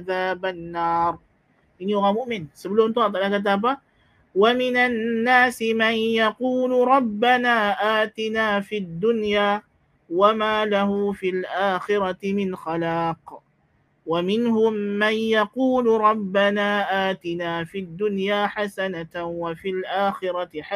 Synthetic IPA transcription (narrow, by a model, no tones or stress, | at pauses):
aðaːbanːɑːɾˤ | ʔɪnːijʊɣaːmʊʔmɪnsɪbluːnt̪ʊɑt̪ˤalakat̪̬aːba | wamɪnanːaːsɪmanjɑquːlɾˤɑbːanaːʔaːt̪ɪnaːfid̪ːʊnjaː | wamaːlaɦʊfɪlʔaːxɪɾˤɑt̪mɪnxalaːq | wamɪnhʊmːanjɑquːlɾˤɑbːanaːʔaːt̪ɪnaːfid̪ːʊnjaːħasanawafilʔaːxɪɾɑħa